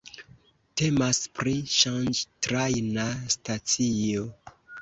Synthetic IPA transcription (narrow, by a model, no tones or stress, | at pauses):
te̞maspɾiʃand͡ʒtɾajnastat͡sijo